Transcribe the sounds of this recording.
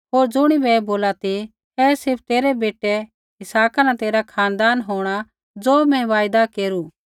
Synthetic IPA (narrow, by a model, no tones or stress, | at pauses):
ɦoːɾd͡zʊɽ̃ibɛboːlat̪i | ɛːsɪp̚ʰt̪eːɾɛbeːʈɛ | ɪsaːkanãt̪eːɾakʰaːnd̪aːnɦoːɽ̃a | d͡zoːmɛ̃ʋaːjd̪akeːɾu